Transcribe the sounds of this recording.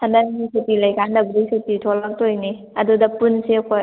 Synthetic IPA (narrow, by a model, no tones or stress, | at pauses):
sʰandanɡisitilajkandɐbdisititʰolak̚tojni | ɐdudɐpunsekʰoj